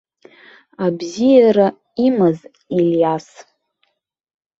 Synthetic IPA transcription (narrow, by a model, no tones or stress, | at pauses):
abzijaɾa | imɨz | iljas